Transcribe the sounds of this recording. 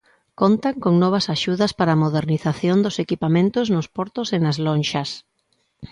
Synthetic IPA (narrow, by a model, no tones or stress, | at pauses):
kont̪aŋkoŋnɔβ̞ɐsaʃuðɐspaɾaːmoð̞eɾniθaθjond̪osekipamẽnt̪ʊznʊspɔɾt̪ʊsenazlonʃɐs